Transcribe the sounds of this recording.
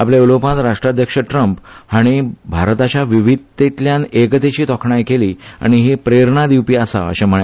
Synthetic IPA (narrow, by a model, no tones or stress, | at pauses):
apljeulopãt̪ɾaʂʈɾad̪ʱjəkʂəʈɾəmphaɽ̃ibʱaɾt̪at͡ɕjaʋiʋid̪et̪ljãnekət̪et͡ɕiːt̪ɔkʰɳajkeliːa̰ɽ̃iɦepɾeɾɳad̪iwpiːasa̰ə̰ɕẽm̤əɭ